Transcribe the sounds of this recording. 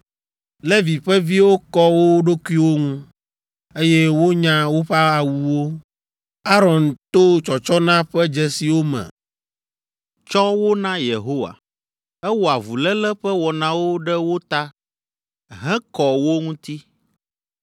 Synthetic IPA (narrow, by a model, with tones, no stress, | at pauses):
lɛ˦vi˨ɸɛ˦vi˦wo˦kɔ˦wo˦ɖo˦ku˦i˦wo˦ŋũ˦ | e˦jɛ˦wo˦ɲã˦wo˦ɸa˦a˨wu˨wo˦ | a˦ɾɔ˨nt̪o˦t͡ʃɔ˨t͡ʃɔ˦nã˦ɸɛ˦d͡ʒɛ˦si˨wo˦mɛ̰̃˨ | t͡ʃɔ˦wo˦nã˦je˨ɦo˦wa̰˨ | ɛ˦wo˨a˨vu˨lɛ˦lɛ˦ɸɛ˦wɔ˨nã˦wo˦ɖɛ˦wo˦t̪a˦ | ɦɛ̃˦kɔ˨wo˦ŋũ˦t̪i˦